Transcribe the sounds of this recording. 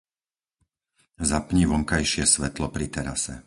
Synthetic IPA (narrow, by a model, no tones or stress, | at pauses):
zapɲiʋɔŋkajʃɪɛsʋɛt̪lɔpɾit̪ɛɾa̰sɛ̰